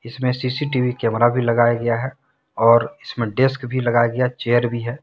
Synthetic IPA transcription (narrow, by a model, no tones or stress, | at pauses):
ɪsmẽsiːsiʈiʋikɛːmɾabʱilɐɡaːjaɡɐjaɦɛ | ɔːɾɪsmẽɖeskbʱilɐɡaːjaɡɐjat͡ʃeːəɾbʱiɦɛː